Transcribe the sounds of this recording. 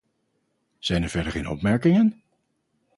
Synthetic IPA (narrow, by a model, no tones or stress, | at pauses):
z̥ɛjnəɹvɛɹdəɹχenɔ̰pmɛɹkɪŋən